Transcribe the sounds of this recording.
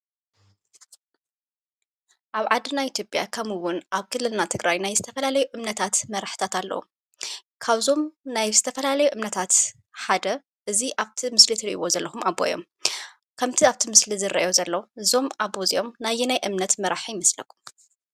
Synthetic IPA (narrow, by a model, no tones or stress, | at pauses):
ʔaβʕad̪ɨnajʔit̪ʰjopʼja̰kʰɐmɨwːʊnʔaβkʰɨlːɨlnat̪ʰɨɡɾajnajzɨt̪ʰɐfɐlalɐjuʔɨmnɐt̪ʰat̪mɐɾaħɨ̥t̪ʰat̪alːɐ̰wṵ | kʰaβzo̞mnajzɨt̪ʰɐfɐlalɐjuʔɨmnɐt̪ʰat̪ | ħad̪ɐ | ʔɨziʔaβt̪ʰimɨslit̪ʰɨɾiʔḭwo̞zɐlːɐxumabo̰jo̞̰m | kʰɐmt̪ʰiaβt̪ʰimɨslizɨɾɐ̰ʔjozɐlːɐwɨzo̞mʔabːozijʔo̞mnajinajʔɨmnɐt̪mɐɾaħijɪmɐslɐ̰kʰːu̥m